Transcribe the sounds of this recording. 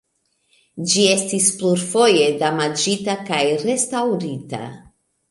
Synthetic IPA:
d͡ʒie̞stispluɾfo̞je̞damad͡ʒitakajɾe̞stawɾita̰

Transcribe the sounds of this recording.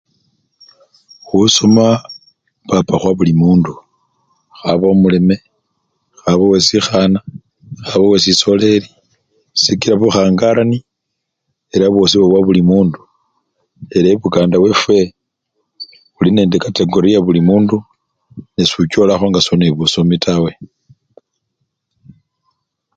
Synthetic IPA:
xusoma | papaxwaβulimuːndu | xaβomule̞me̞ | xaβowe̞sixana | xaβowesiso̞le̞li | sikiɾaβuxaːŋɡaɾani | eɾaβwo̞siβoβwaβulimuːndu | eɾaiβukaːndawe̞fwe̞ | βuline̞ːndekate̞ɡo̞ɾijaβulimuːndu | nesuco̞laxo̞ŋɡasoneβuso̞mitʰawe̞

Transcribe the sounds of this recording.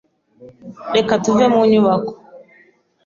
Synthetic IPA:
ɗɛkatuvɛmuɲiwakɔ̥

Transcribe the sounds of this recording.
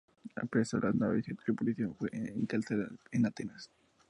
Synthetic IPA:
a̰pɾesolʔaznaβiset̪kepoliθjonfweeŋkalθelaenat̪enas

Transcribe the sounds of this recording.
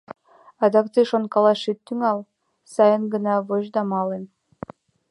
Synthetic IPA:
ɑd̪ɑkt̪ɯʃonkɑlˠɑʃit̪ːyŋɑlˠ | sɑjɤnɡɤ̆nɑvoʑd̪ɑmɑlˠen

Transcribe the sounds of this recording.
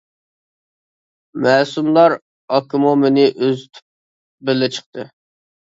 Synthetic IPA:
mɛːsumlˠɑɾ | ɑkʰːɪmumenɪʔøzt̪ʰy̥p̚ | bɪlːɪt͡ʃʰə̥q̚t̪ʰɨ

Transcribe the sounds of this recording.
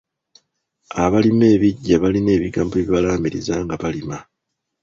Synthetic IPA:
aβalime̞ːβiɟːaβaline̞ːβiɡaːmboβiβalaːmiɾḭzaŋɡaβalima

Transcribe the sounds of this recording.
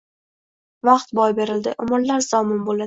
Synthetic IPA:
vɑqt̪bɒjbe̞ɾɪld̪ɪʔʊmʊɾlaɾz̥ɒmʊnbolad̪

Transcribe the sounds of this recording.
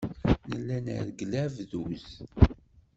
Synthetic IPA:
nəlːænə̰ɾɡlævðuz

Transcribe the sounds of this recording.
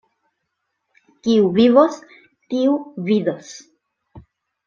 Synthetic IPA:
kiuvivos | tiuviðos

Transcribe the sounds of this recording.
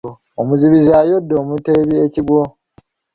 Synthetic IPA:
omuziβizaːjodːoːmuteβieciɡwo

